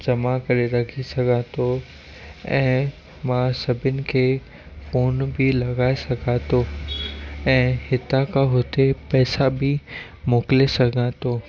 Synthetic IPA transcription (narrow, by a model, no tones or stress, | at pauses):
d͡ʑɐmakɐɾeɾɐkʰisɐɡʱãːt̪ʰo | ɛ̃ː | mãsɐbʱɪnɪ̆kʰeː | foːnbɪlɐɡaːesɐɡʱãːt̪o | ɛ̃ːhɪt̪akʰãɦʊt̪epɛːsabɪ | moːklesɐɡʱãːt̪oː